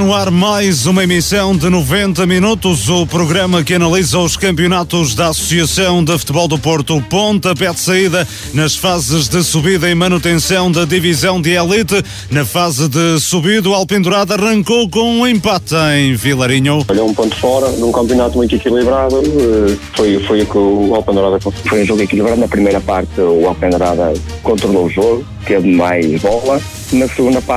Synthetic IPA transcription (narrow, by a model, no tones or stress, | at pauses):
nuaɾmajzumɐimisɐ̃w̃d̪ɨnuvẽnt̪ɐminut̪uzupɾuɣɾɐmɐkɨɐnɐlˠizɐuʃkɐ̃mpjunat̪uʒðɐasu̥siɐsɐ̃w̃d̪ɨfu̥t̪βɔlˠd̪upoɾt̪upõnt̪ɐpɛðsɐiðɐ | nɐʃfazɨʒðɨsuβiðɐĩmɐnut̪ẽsɐ̃w̃d̪ɐðivizɐ̃w̃d̪ɨɛlˠit̪ɨ | nɐfazɨðɨsuβiðualˠpẽnd̪uɾaðɐɐʁɐ̃ŋkowkõũẽmpat̪ẽj̃vilˠɐɾiɲuɔʎowũpõnt̪fɔɾɐnũkɐ̃mpjunat̪umũj̃t̪ikilˠiβɾaðuɛfojfojukualˠpẽnd̪uɾaðɐkõfojũʒoɣikilˠiβɾaðunɐpɾimejɾɐpaɾt̪ɨualˠpẽnd̪uɾaðɐ̰kõnt̪ɾulˠouʒoɣʊ | t̪eβmajʒβɔlˠɐ | nɐsɨɣũnd̪ɐpa